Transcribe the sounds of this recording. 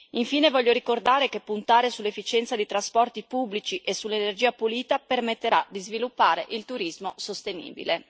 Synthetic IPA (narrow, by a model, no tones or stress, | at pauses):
iɱfiːnevɔʎːoɾikord̪aːɾekepːunt̪aːɾesulːefːit͡ʃɛnt̪sad̪it̪ɾaspɔrt̪ipubːlit͡ʃiʔesulːenerd͡ʒiːapuliːt̪apermet̪ːeɾad̪izvilupːaːɾeʔilt̪uɾizmosost̪enḭːbḭle